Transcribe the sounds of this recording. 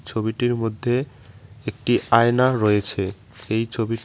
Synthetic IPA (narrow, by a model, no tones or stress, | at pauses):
t͡ɕʰobiʈiɾmod̪ʱːe | ek̚ʈiaenaɾɔet͡ɕʰe | ejt͡ɕʰobi